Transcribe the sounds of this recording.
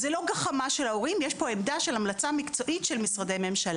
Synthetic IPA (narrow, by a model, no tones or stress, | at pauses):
zelo̞ɡaχamaʃelaoʁimjeʃpo̞emd̪aʃe̞lamlat͡samikt͡so̞ʔit̪ʃelmisʁade̞jme̞mʃal